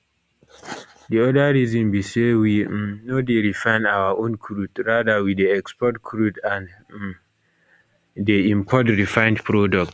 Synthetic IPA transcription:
diɔdaɹizɔ̃mbisewimnodeɾifãɪ̃nawaʔõnkʰɹudɹadawideɛkspɔt̚kʰɾudãn | deĩmpʰɔtɹifãɪ̃ndpʰɹɔdɔk̚t

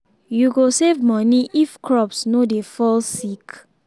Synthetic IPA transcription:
juɡosevmɔ̃niʔifkʰɹɔpsnodefɔlsik

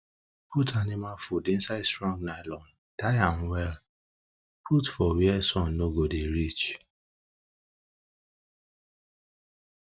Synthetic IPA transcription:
putʰanɪmafudɪ̃n̩saɪdstɹɔ̃ŋɡnaɪlɔn | taɪãnwɛl | pʰutfɔwiɛsɔ̃nːoɡodeɾit͡ʃ

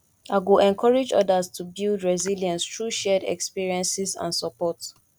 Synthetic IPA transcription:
aɪwulɛ̃nkʰɔɹɛd͡ʒɔ̰dəztʰubilˠdɹɛziljɛ̃nstʰɹuʃɛdɛ̰kspiɹiɛ̃nsizã̰nsɔpɔt

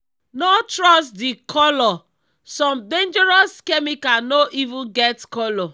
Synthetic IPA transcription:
nɔtɾɔstdikʰɔlɔ | sɔ̃mdẽnd͡ʒɛɾɔskɛmikanoʔivũnɡɛtkɔlɔ

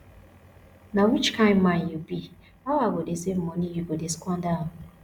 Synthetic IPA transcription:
nawit͡ʃkʰãɪ̃mmãnjubi | awaɡodesem̩mɔnijuɡodeskʷɔ̃nda

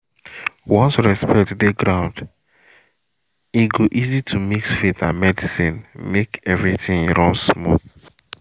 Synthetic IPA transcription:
wɔ̃nsɹɛspʰɛk̚tdeɡɹãʊ̃nd | iɡoʔizitʰumiksfetãnmɛdisĩnmekɛvɹitĩŋɹɔ̃ŋsmɔ̰θ

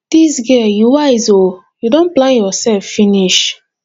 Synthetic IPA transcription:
disɡɛjuwaɪzo | judõnplajɔsɛlffiniʃ

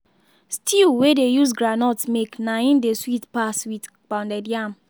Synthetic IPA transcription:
stʰiwedejus̬ɡɾanɔtsmeknaĩndeswitpaswit | k͡pãndɛdjam

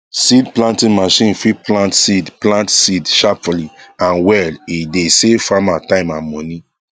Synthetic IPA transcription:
sidplãntĩnmaʃĩnfiplãntsidplãntsidʃapfuliãnwɛlidesefamatãɪ̃mãmɔ̃ni

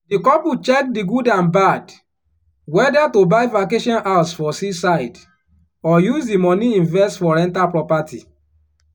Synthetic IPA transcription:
dikɔput͡ʃɛk̚diɡudãnbad | wɛdatobaɪvakeʃɔ̃nʔatsfɔsisaɪd | ɔjuzdimɔniĩnvɛstfɔɾɛ̃ntapɹɔpatḭ

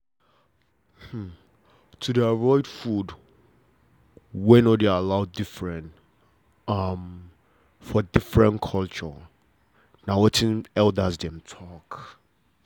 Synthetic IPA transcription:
m̩ | tʰudɛaɹɔɪdfud | wɛ̃nɔdealaʊdɪfɹɛ̃nt | am | fɔdɪfɹɛ̃nkʰɔlt͡ʃɔ | nãwɛtʰɪ̃nɛldasdɛ̃mtʰɔk

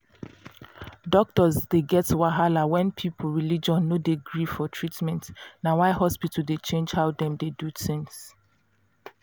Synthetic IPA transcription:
dɔk̚tɔzdeɡɛtwaɦalawɛ̃npʰipʰoɹilid͡ʒɔ̃nːodeɡɹifɔtʰɹitmɛ̃ntnawaɪɦɔspitəl̩det͡ʃẽnd͡ʒhaʊdɛ̃mdeduθĩŋs

